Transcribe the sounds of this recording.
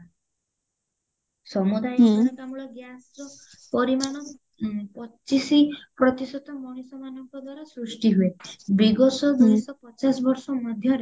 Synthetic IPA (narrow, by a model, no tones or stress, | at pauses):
sɔmud̪ajɔkamuɭɔɡjast͡ʃɔ | pɔɾimaɽ̃ɔ | pɔt͡ʃisipɾɔt̪isɔt̪ɔmɔɽ̃isɔmanɔŋkɔd̪waɾasɾusʈiɦuebiɡɔsɔd̪unisɔpɔt͡ʃasɔbɔɾsɔmɔd̪ʱjɔɾe